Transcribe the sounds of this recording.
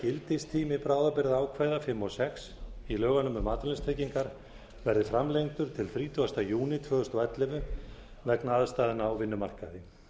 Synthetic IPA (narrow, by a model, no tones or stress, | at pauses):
cɪlt̪ɪst̪ʰiːmɪpɾaːwðapɪɾɪðaːwkʰvajðafɪmːɔsɛksilœːɣanʏmʏmaːt̪lɛnst̪ʰejciŋkaɾ̥ | vɛɾðɪfɾamlejŋt̪ʏɾ̥t̪ʰɪlθɾiːt̪ʏast̪ajuːnɪt̪ʰvœːɣðʏst̪ɔɛt̪lɪvʏ | vɛknaaðst̪aːðɪnaːwvɪnːʏmar̥kaðɪ